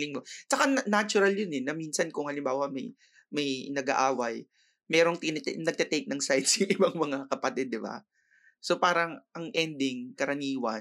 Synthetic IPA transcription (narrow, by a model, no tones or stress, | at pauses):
lɪŋmot͡ʃɐkanɐnat͡ʃʊɾɐljonɛnɐmiːnsɐnkʊŋhɐlɪmbaːwɐmɐj | mɐjnɐɡa̰ʔaːwɐj | mɛːɾo̞ŋt̪ɪnnɐɡ̚t̪ɛt̪ejk̪̚nɐŋsajd̪̚sɐʔɪbaŋmɐŋakɐpɐt̪ɛd̪̚ːɪba̰ | so̞paːɾɐŋʔɐŋʔɛnd̪ɪŋkɐɾɐniːwɐ̰